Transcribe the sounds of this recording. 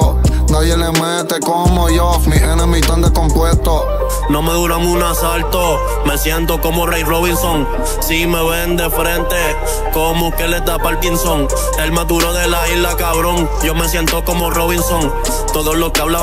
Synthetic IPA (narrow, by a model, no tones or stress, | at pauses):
noβjelemwet̪ekomojomiʔenamit̪ãnd̪ekompwest̪o | no̞meðuɾaŋunasalt̪o | me̞sjent̪okomorejroβinsoŋ | simeβend̪efɾent̪e | komukeled̪apalk̪insoŋ | elmat̪uɾoðelaiɦlakaβɾoŋ | d͡ʒomes̬jent̪okomoroβinsoŋ | t̪oðosloskeaβla